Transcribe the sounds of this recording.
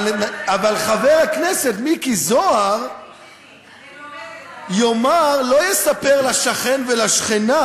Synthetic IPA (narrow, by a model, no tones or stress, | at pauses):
avalχaveʁaknese̞t̪mikizoaʁ | jomaʁlo̞jesape̞ʁlaʃaχenvelaʃχena